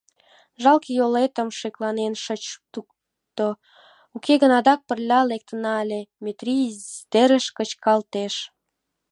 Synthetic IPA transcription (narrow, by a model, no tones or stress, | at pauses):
ʒɑlkjolet̪ə̆mʃeklɑnenʃət͡ɕt̪uk | t̪o | ukeɣənɑd̪ɑk̚pərlʲɑlek̚t̪ənɑlʲemet̪rid̪eɾəʃkət͡ɕkɑlt̪eʃ